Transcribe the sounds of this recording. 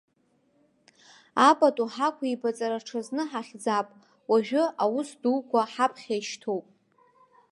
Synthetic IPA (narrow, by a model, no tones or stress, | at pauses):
apʼatʼuħakʷʰaibat͡sʼaɾaʈ͡ʂʰaznɨħaχʲd͡zapʼ | waʒᶣʊʔawʊsdukʷaħapʰχʲajʃtʰowpʼ